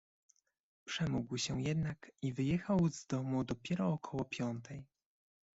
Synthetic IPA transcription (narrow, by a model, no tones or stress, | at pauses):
pʂɛmuɡwɕɛjɛd̪nakivɘjɛxawzd̪ɔmud̪ɔpʲjɛɾɔːkʰɔwɔpʲjɔnt̪ʰɛj